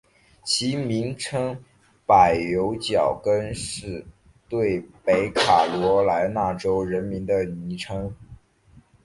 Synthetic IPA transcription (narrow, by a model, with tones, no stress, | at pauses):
t͡ɕʰi˧˥mi˧˥ŋʈ͡ʂʰɤ˥ŋ | pa˨˩ɪjo˧˥ʊt͡ɕjɑ˨˩ʊkə˥nʂɻ̩˥˧ | t̪we˥˩ɪpe˧˥ɪkʰa˨˩lwɔ˧˥la˧˥ɪna˥˩ʈ͡ʂo˥ʊɻə˧˥nmi˧˥ŋd̪ə˧ni˧˥ʈ͡ʂʰɤ˥ŋ